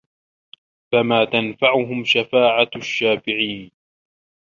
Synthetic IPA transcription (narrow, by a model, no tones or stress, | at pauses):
famaːt̪anfaʕʊɦʊmʃafaːʕaʃːaːfɪʕiːn